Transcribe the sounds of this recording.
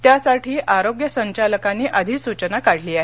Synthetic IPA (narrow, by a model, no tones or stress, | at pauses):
t̪jasaʈʰiːʔaɾoɡjəsəɲt͡ɕaləkanːiːʔəd̪ʱiːsut͡ɕənakaɽ̤liːaɦe